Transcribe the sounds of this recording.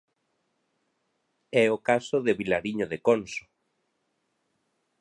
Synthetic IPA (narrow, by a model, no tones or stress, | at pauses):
ɛokasoðeβilaɾiɲoðekonso̥